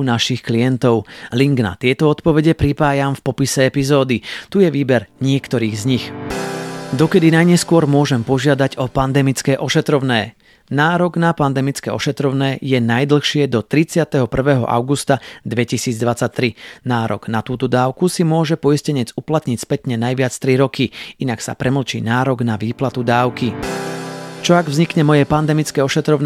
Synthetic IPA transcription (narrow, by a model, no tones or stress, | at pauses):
naʃixklijɛnt̪ɔʊliŋɡna̰t̪ɪɛt̪ɔɔt̪pɔʋɛɟɛpɾipaːjamfpɔpisɛɛpizɔːd̪it̪ujɛʋiːbɛɾɲɪɛkt̪ɔɾiːɣzɲix | d̪ɔkɛd̪inajɲɛskʊɔɾmʊɔʒɛmpɔʒɪad̪aɟɔpand̪ɛmit͡skɛːʔɔʃɛt̪ɾɔʊnɛː | naːɾɔɡnapand̪ɛmit͡skɛ̰ːɔ̰ʃɛt̪ɾɔʊnɛːjɛnajd̪l̩ˠxʃɪɛd̪ɔt̪ɾit͡sɪat̪ɛɦɔpr̩ʋɛːɦɔ̰ʔa̰ʊɡust̪ad̪ʋɛcisiːd͡zd̪ʋat͡sac̚t̪ɾinaːɾɔ̰ɡ̥nat̪uːt̪ɔd̪aːʊkusimʊɔʒɛpɔiscɛɲɛd͡zuplat̪ɲicspɛt̪ɲɛnajʋɪat͡st̪ɾiɾɔkʰiinaksa̰pɾʔɛml̩t͡ʃḭːnaːɾɔɡnaʋiːplat̪ud̪aːʊki | t͡ʃɔaɡvzɲikɲɛmɔjɛpand̪ɛmit͡skɛːɔʃɛt̪ɾɔʊn